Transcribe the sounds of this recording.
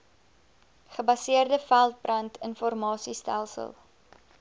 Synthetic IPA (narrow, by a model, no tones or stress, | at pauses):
χəbɐsiərdəfælˠt̚brɐntʰənfɔrmɑːsistælˠsə̰lˠ